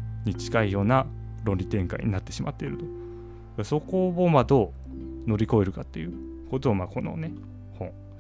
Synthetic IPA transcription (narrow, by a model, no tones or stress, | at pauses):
ɲ̟it͡ɕi̥kaijo̞ːna | ɾõ̞nʲɾʲit̪ẽ̞ŋka̰ḭɲ̟inat̪ːe̞ɕimat̪ːe̞iɾɯ̟t̪o̞̥ | ɡ̥aso̞ko̞bomad̪o̞ː | no̞ɾʲiko̞e̞ɾɯ̟kat̪ːe̞̰jɯ̟ | ko̞t̪o̞amaːko̞no̰ne̞ | hõ̞ɴ